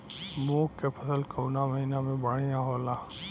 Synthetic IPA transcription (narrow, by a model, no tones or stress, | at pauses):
moːkːepʰɐsəlkəʊnamɐɦinamẽbaːɽ̤ijãɦoːlaː